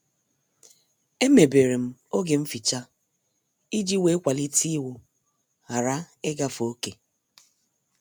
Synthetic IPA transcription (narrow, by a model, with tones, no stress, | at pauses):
e˦me˨be˨ɾe˨m̩˦o˦ɡe˨m̩˦fi˨t͡ʃa˦ | i˦d͡ʒi˦we˦kʷa˨li˦ti˦wʊ˨ | a˨ɾa˦ | ɪ˦ɡa˦fo˦ke˨